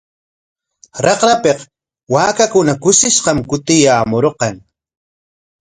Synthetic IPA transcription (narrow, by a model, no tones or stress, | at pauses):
ɾɑqɾapeq | waːkakʊnakʊsɪʃqɑmkʊt̪ɪjaːmoɾqɑŋ